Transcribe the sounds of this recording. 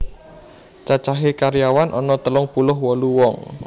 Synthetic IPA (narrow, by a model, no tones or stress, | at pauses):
t͡ʃat͡ʃaɦekaɾijawanʔɔnɔt̪əlʊŋpulʊɦwɔluwɔŋ